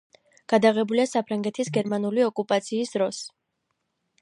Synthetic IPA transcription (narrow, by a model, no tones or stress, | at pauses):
ɡ̥ad̪aʁɛbuliasapʰɾaŋɡɛt̪ʰisɡɛɾmanuliɔkʼupʼat̪sʰiːsd̪ɾɔs